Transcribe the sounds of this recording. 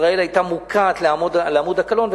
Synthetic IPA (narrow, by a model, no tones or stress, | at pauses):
ʁaelajt̪amukʰaːt̪leamodleamud̪akalo̞nv